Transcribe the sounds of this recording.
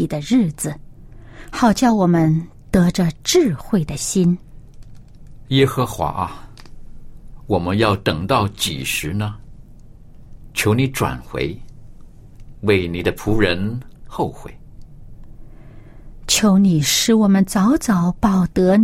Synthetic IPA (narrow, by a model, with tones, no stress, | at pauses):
i˨˩d̪ə˦ɻɻ̩˥˩t͡sɹ̩˨˩ | xɑ˨˩ʊt͡ɕjɑ˥˩ʊwɔ˨˩mə˦n | t̪ɤ˧˥ʈ͡ʂə˧ʈ͡ʂɻ̩˥˧xwe˥˩ɪd̪ə˩ɕi˥n | jɛ˥xɤ˧xwa̰˧˥ʔɐ˧ | wɔ˨˩mə˦njɑ˥˩ʊt̪ɤ˨˩ŋt̪ɑ˥˩ʊt͡ɕḭ˨˩ʂɻ̩˧˥nə˧ | t͡ɕʰjo˧˥ʊni˧˥ʈ͡ʂwa̰˨˩nxwḛ˧˥ɪ | we˥˩ɪni˨˩d̪ə˦pʰu˧˥ɻə˧˥nxo˥˧ʊxwe˥˩ɪ | t͡ɕʰjo˧˥ʊni˨˩ʂɻ̩˧˥wɔ˨˩mə˦nt͡sɑ˧˥ʊt͡sɑ˧˥ʊpɑ˨˩ʊt̪ɤ˧˥n